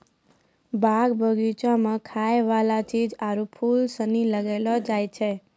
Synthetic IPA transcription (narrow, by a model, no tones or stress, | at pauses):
baɡbʱəɡit͡ʃamãkʰajʋalat̪ʰid͡ʒaɾupʰulsəniləɡelod͡ʒajt͡ʃʰe